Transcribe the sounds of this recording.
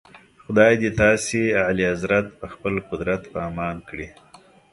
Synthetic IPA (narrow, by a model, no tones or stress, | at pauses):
xʊd̪ɑjd̪et̪ɑsealiazɾat̪̚pəxpəlqʊd̪ɾat̪pɑːmɑnkɽi